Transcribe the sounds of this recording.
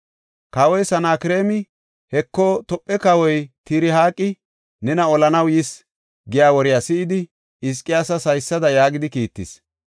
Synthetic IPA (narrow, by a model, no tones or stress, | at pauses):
kɐwɔjsɐnaːkɪɾe̞ːmɪ | hɛkːɔt̪ɔpʼːɛkɐwɔjt̪iɾɪɦaːkʼːɪ | nɛnɐɔlɐnɐwjɪs | ɡɪjaːwɔɾɪjasɪʔɪd̪ɪ | ɪs̬kʼɪjaːsɐsɐjsːɐd̪ɐjaːɡɪd̪ɪkiːt̪ːɪs